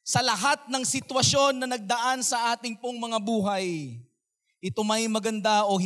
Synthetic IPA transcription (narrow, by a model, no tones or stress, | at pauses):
sɐlɐɦat̪̚nɐŋsɪt̪wɐsjo̞nːɐnɐɡ̚d̪ɐʔansɐʔaːt̪ɪŋpoŋmɐŋabuːɦɐj | ʔɪt̪o̞mɐjmɐɡɐnd̪aʔo̞